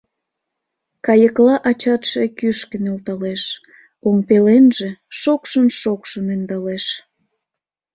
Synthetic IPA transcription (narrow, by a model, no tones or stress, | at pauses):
kɑjəklɑʔɑt͡ɕɑt̪ʃekyʃkənelt̪ɑleʃ | oŋpelenʒeʃokʃənʃokʃənend̪ɑleʃ